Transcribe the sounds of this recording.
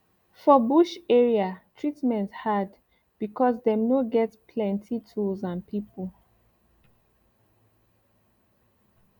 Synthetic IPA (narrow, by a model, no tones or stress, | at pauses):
fɔbuʃɛɹiatʰɹitmɛ̃nthad | b̥ikʰɔsdɛmnoɡɛtpʰlɛ̃ntʰitʰulzãnpʰipəl